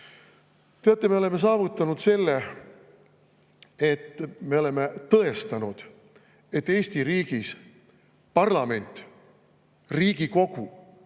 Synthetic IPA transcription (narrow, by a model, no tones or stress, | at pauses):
t̪e̞ɑt̪ːˑeme̞o̞le̞me̞s̬ɑːvut̪ˑːɑnud̪se̞lːe | e̞t̪ːme̞o̞le̞met̪ɤ̞e̞st̪ɑnud̪̥ | e̞t̪ːe̞ːsʲt̪iɾiːɡ̥is | pɑrlɑme̞nʲt̪ˑ | riːɡ̥iko̞ɡ̥u